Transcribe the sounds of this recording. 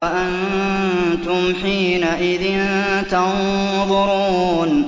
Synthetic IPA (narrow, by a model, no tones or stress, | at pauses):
ʔan | t̪ʊmħiːnaʔɪðɪnt̪ɑnðˤʊɾuːn